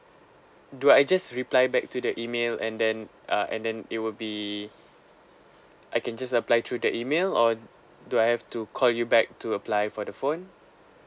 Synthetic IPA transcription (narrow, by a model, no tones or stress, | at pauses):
duajd͡ʒasɹiplajbɛk̚tudəʔimelɛ̰̃ndɛ̃n | ʔaʔɛ̰̃ndɛ̃nit̚wɪlbi | ʔajkɛ̃nd͡ʒasəplajt̪ʰɹudəʔimelɔ | duajhɛftukʰɔljubɛk̚tuəplajfɔdəfõn